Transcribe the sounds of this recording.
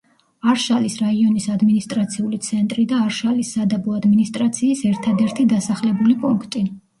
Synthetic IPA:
aɾʃalisɾaiɔnisad̪minist̪ʼɾat̪sʰiulit̪sʰɛnt̪ʼɾid̪aːɾʃalisːad̪abɔad̪minist̪ʼɾat̪sʰiːsɛɾt̪ʰad̪ɛɾt̪ʰid̪asaχlɛbulipʼuŋkʰt̪ʼi

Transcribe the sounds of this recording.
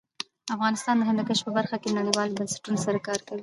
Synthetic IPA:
afɣɑnɪst̪ɑnd̪əɦamakəʃpəbaɾxakenaɽiwɑlobənsɪ̥ʈunosaɾakɑɾkawi

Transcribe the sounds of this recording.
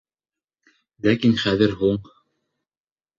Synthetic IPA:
lækinχæðɘɾɦuɴ

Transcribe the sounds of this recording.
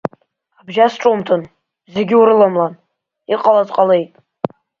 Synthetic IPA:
abʒasʈ͡ʂʼomtʰɨn | zeɡʲɪuɾɨlamlan | iqʼalazqʼale̞jtʼ

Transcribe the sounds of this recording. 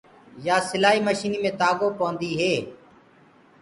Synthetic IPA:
jaːsɪlaːiːməʃiːniːmẽːt̪aːɡõːpõːnd̪iːɦeː

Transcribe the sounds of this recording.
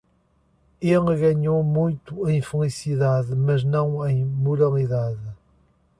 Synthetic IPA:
elˠɨɣɐɲomũj̃t̪uẽj̃fɨlˠisiðaðɨmɐʒnɐ̃w̃ẽj̃muɾɐlˠiðaðɨ

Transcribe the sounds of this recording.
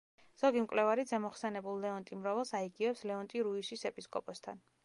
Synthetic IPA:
z̥ɔɡimkʼwlɛvaɾid̪zɛmɔχsɛnɛbulˠlɛɔnt̪ʼimɾɔvɛlˠsaiɡiɛpslɛɔnt̪ʼiɾuisisɛpʼiskʼɔpʼɔst̪ʰa̰n

